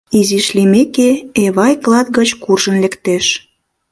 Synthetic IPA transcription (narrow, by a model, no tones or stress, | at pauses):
iziʃlimekeeβɑjklˠɑt̪̚ɡət͡ɕkurʒənlĕkt̪eʃ